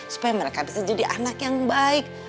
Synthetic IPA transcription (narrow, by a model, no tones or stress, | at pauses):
su̥pajaməɾekabisad͡ʒadiʔanakjaŋbaɪk̚